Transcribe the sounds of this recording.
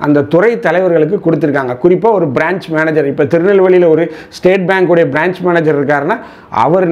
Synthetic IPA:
ɐ̰nd̪ɐt̪ʊrɐɪt̪ːɐlɐɪʋɐɾɣɐɭɯk̬ːɯkʊɽɯt̪ːɯɾɯkːaːŋɡɐkʊrɪpːaːɔɾɯbɪɾaːɲt͡ʃmeːnɐd͡ʒɐɾɪpːoːt̪ɪɾɯnɐlʋɐɭɪjɪlɐɔɾɯ | sʈeːʈ̚baːŋkɯɽɐjɐbɪɾaːɲt͡ʃmeːnɐd͡ʒɐɾɪɾɯk̬ːaːɾnaː | ɐ̰ʋɐɾn

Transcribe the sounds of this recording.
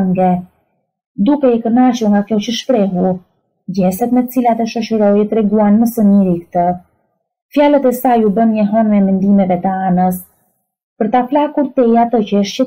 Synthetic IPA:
ŋɡɛ | d̪ukɛɛkəɾnaʃuɾŋɡakjɔcəʃpɾɛɦu | ɟɛsɛt̪mɛət͡silat̪ɛʃɔʃəɾɔjt̪ɾɛɡuanməsəmiɾikt̪ə | fjalət̪ɛsajubənɲɛɦɔnmɛmɛnd̪imɛvɛt̪əanəs | pəɾt̪aplakuɾt̪ɛjat̪əcəəʃcə

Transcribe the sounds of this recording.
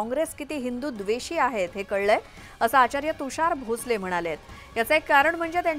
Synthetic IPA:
ɔ̃ŋɡɾeskit̪iːɦind̪uːd̪ʋeɕiːaɦet̪ɦekəɽːəj | əsaat͡ɕaɾjət̪uɕaɾbʱot͡slem̤əɽ̃aljet̪ | jat͡səekːaɾəɳm̤əɳd͡zet̪jaɲ

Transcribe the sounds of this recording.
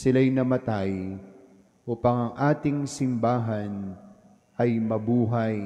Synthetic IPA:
sɪlajnɐmɐt̪aj | ʔuːpɐŋɐŋʔaːt̪ɪŋsɪmbaːɦɐn | ʔɐjmɐbuːɦɐj

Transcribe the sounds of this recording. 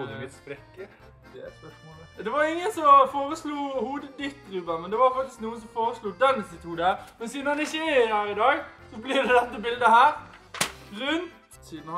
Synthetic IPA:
ɪsfɾɛkːə | d̪ɛspœʂmɔld̪ɛʋɑɾɪŋːənsɔfoːɾəsluːhuːd̪əd̪ɪt̪ːɾʉːbəmɛnd̪ɛʋɑɾfɑkt̪ɪsknuːənsɔmfoːɾəsluːd̪ɛnsɪt̪uːd̪æmɛnsiːnəɑnɪçːəɪɪhæːɾɪd̪ɑːɡsɔblɪd̪ɛd̪ɛt̪ːəbɪld̪əhæːɾ | ɾʉnt̪ | sin

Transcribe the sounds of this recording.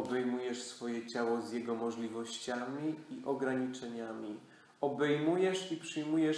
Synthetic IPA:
ɔbɛjmujɛʂsfɔjɛt͡ɕawɔzʲjɛɡɔmɔʐlʲivɔɕt͡ɕamʲiiʔɔɡɾaɲit͡ʂɛɲamʲi | ɔbɛjmujɛʂipʂɘjmujɛ

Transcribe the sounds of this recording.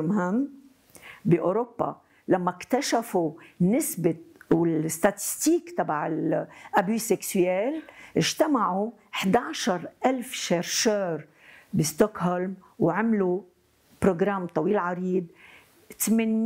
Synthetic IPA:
mhɪmː | biʔoɾopːa̰ | lamːakt̪aʃafunɪsbɪwɪlɪst̪at̪ɪ̥st̪iːkt̪ɑbaʕɪlʔabyːsɛksɛːlʔɪʒt̪amaʕu | ħd̪aːʕʃɑɾˤʔalfʃeɾʃøːɾ | bist̪okholmwʕɪmlu | pɾoɡɾamt̪ˤɑwiːlʕɑɾiːb̪̚ | t̪mɪn

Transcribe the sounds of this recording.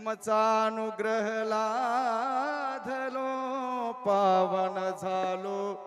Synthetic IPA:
mət͡saənuɡɾəɦla | d̪ʱəlo | paʋənəd͡zʱalo

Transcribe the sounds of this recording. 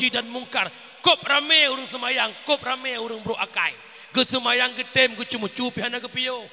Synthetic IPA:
idanmuŋkar | kop̚rameuɾəŋsəmajaŋkop̚rameuɾəŋbɾoʔakaj | ɡəsəmajaŋɡət̪emɡət͡ʃumət͡ʃupiɦanaɡəpio

